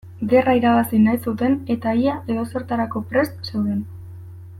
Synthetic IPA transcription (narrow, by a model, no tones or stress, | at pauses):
ɡe̞raiɾaβasinajsut̪e̞ne̞t̪aiaʔe̞ðo̞se̞ɾt̪aɾako̞pɾe̞st̪se̞wðe̞n